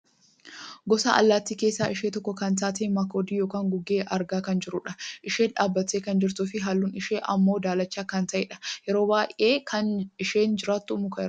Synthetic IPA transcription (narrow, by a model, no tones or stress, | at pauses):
ɡɔsa̰ːʔɐ̰lːaːt̪ːiːke̞ːsːaːʔɪʃeːt̪ɔkːɔkɐnt̪aːt̪emakoːd̪iːjoːkaːŋɡʊɡːeːʔɐɾɡaːkɐnd͡ʒɪɾʊᶑɐʔɪʃeːnᶑaːbːɐt̪ːeːkɐnd͡ʒɪɾt̪uːfɪɦɐlːunɪʃeːʔɐmːo̞ːd̪aːlɐt͡ʃːaːkɐnt̪ɐʔeːᶑɐ̥jɛɾo̞ːbaːjʔeːkʰɐnɪʃeːnd͡ʒɪɾaːt̪ːumʊkɐɛɾ